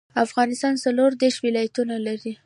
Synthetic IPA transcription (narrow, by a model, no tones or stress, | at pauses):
afɣɑnɪst̪ɑnsaloɾd̪eɾʃwɪlɑjat̪unalaɾi